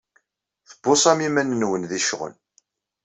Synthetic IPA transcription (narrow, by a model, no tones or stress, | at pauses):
θəbːʊsˤæmimænnwənðiʃʁə̰n